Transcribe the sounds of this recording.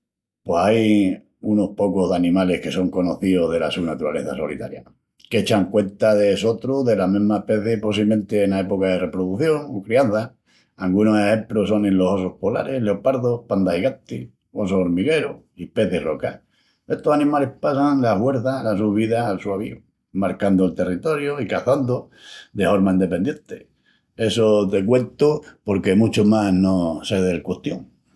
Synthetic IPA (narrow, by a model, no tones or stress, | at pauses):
pwesaj | uno̞hpo̞koɦðanĩmale̞hke̞so̞ŋko̞noθioðe̞lasunat̪uɾa̰le̞θaso̰lḭt̪a̰ɾja̰ | ket͡ʃaŋkwe̞nt̪aðeso̞t̪ɾuðelamĩɦmaepe̞θjehpos̬iβlemẽ̞nt̪eːnaepokaðere̞pɾoðuθjo̞ŋokɾianθa | aŋɡunosehempɾuso̞nelo̞so̞sohpola̰ɾe̞leopaɾðopand̪ahiɣant̪i | o̞s̬ooɾmiɣe̞ɾo | ipe̞θjeroka | eht̪osanĩmale̞hpasaŋlahwe̞ɾθalasuβiðaːlsuaβ̞ḭu | maɾkand̪oelt̪e̞rit̪o̞ɾjoikaθand̪o | d̪efoɾmaind̪e̞pend̪je̞nt̪e | e̞sot̪e̞kwe̞nt̪opo̞ɾke̞mut͡ʃomanoseðelkwuht̪joŋ